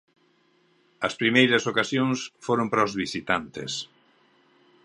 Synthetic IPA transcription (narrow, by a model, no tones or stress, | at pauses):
ɐspɾimejɾɐsokasjoŋsfoɾompɾaozβisit̪ant̪ḛs